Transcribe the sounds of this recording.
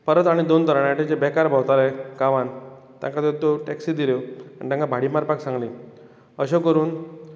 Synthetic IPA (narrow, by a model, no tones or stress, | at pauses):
pəɾət̪aɽ̃id̪ont̪əɾɳjaʈed͡ʑebɛkaɾbʱawt̪aɾekaʋan | t̪ja̰ŋkat̪et̪oʈɛksid̪iloaɽɳit̪jãŋkabʱaɽimaɾpaksãŋɡlĩ | əɕokəɾuːn